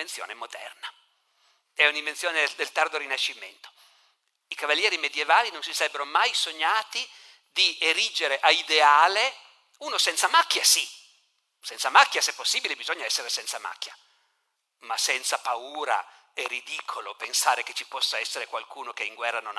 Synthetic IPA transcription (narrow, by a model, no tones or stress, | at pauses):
ent̪sjo̰ːnemod̪ɛ̰rna | ɛunimvensjoːned̪elt̪ard̪oɾinaʃːimḛnt̪o̥ | ikavalːjɛːɾimed̪jevaːlinonsisaɾɛbːeɾomajsoɲːaːt̪i | d̪ieɾid͡ʒeɾeʔaid̪eaːle | uːnosɛnt̪samakːjasi | sɛnt̪samakːjasepːosːiːbilebizoɲːaɛsːeɾesɛnt̪sama̰kːja | masɛnt̪sapauːɾa̰ɛrid̪iːkʰolopensaːɾeke̥t͡ʃipɔsːaɛsːeɾekwalkuːnokeiŋɡwɛrːanon